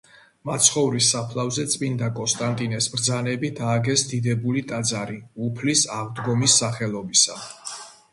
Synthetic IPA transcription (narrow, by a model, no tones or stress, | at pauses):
mat̪sʰχɔvɾisːapʰlˠavzɛt̪sʼmind̪akʼɔnst̪ʼant̪ʼinɛsbɾd̪zanɛbid̪aːɡɛsd̪id̪ɛbulit̪ʼad̪zaɾiupʰlisaʁd̪ɡɔmisːaχɛlˠɔbisa